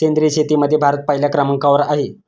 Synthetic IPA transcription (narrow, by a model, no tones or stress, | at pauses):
kend̪ɾiɕet̪iːməd̪ʱːjebʱaɾət̪̚pəɦiljakɾəməŋkaʋəɾaɦe